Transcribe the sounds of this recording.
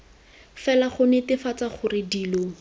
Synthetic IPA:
fɛlaχʊnɛtɪfat͡saχʊrɪdiːlo

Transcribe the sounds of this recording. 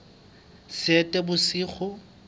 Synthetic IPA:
sɪɛtʼɛbʊsiːχɔ

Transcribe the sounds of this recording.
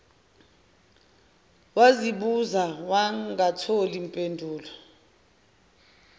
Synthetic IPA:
waziɓuzawaɡatʰolimpʼendʱuːlɔ

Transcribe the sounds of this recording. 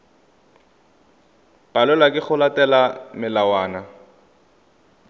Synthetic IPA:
b̥alɛlakʼɪχʊlatɛlamɪlawaːna

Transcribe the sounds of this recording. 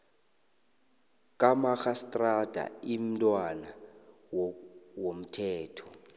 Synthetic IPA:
k̬ʼamaxastʼrad̥ʱa̰im̩tʼwana | wwom̩tʰɛːtʰɔ̥

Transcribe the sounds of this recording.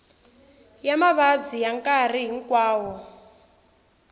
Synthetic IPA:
jamaβad͡zijaŋkar̤iɦiŋkwaːwɔ

